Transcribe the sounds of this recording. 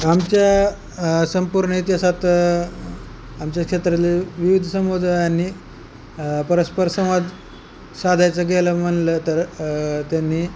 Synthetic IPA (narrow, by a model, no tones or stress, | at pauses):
amt͡ɕja | səmpuɾɳəit̪jasat̪ | amt͡ɕjakʂet̪ɾaleʋiʋid̪ʱsəmbod̪ʱajanːiː | pəɾəspəɾsəmad̪ | sad̪ʱajt͡səɡʱeləm̤əɳlət̪əɾt̪janːiː